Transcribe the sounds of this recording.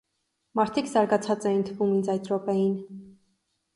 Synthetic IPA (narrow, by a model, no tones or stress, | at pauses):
mɑɾt̪ʰikzɑɾɡɑt͡sʰɑt͡sɛjint̪ʰəvumind͡zɑjt̪ɾɔpɛjin